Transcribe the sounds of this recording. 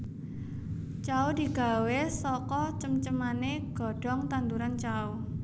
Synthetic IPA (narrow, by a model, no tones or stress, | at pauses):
t͡ʃaod̪̥i̤ɡ̥a̤wesɔkɔt͡ʃəmt͡ʃəmaneɡ̥ɔ̤ɖ̥ɔ̤ŋt̪ant̪uɾant͡ʃao